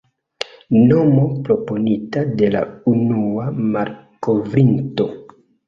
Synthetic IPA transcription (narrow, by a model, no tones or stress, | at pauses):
no̞mo̞pɾo̞po̞nitade̞la̰unuamaɾko̞vɾinto̞